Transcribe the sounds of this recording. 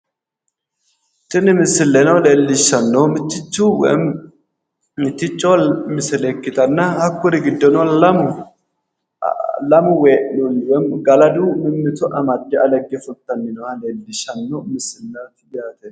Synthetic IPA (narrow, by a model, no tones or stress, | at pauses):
tːɪnɪmɪsːɪlːɛnɔlelːɪʃːɐnːɔmɪt̪ːɪt͡ʃːuːw̰ | mɪt̪ːɪt͡ʃʼːɔmɪsɪlɛkːɪt̪ʼɐnːɐhɐkːʊɾɪɡɪd̪ːɔnɔlɐmʊ | lɐmʊweʔnʊnwɛmɡɐlɐd̪umɪmːɪt̪ʊʔɐmɐd̪ːɪɐlɛɡːɪfʊlt̪ːɐnːɪnɔwɐleːlːɪʃːɐnːɔmɪsɪlːat̪ɪbjaːt̪ɛ